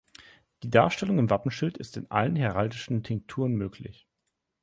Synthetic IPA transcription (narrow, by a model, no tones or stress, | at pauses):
d̥iːdaːɐʃtɛlʊŋɪmvapm̩ʃɪltɪstɪnʔa̰lənɦɛʁaldɪʃn̩pʰɪŋk̚tʰuːʁənmøːkʰlɪ̰ç